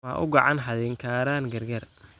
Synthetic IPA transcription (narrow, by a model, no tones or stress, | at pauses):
ɐ̰ːʔʊɡɑʕɑnħɐðɛŋkʰaːɾaːnɡɐrɡɐr